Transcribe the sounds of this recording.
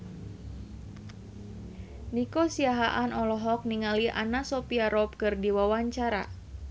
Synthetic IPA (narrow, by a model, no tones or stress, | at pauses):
nikosiaɦaʔanɔlɔɦɔk̚niŋaliʔa̰nasopiaɾɔp̚kɨrdiwawaɲt͡ʃaɾa̰